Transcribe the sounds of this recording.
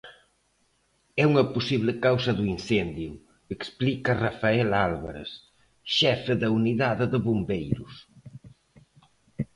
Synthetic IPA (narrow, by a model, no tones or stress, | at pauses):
ɛuŋɐpusiβlɪkawsɐðuinsɛnd̪ju | eksplikɐrafaɛlalβaɾḛs | ʃɛfɪðɐuniðaðɪðəβombejɾʊs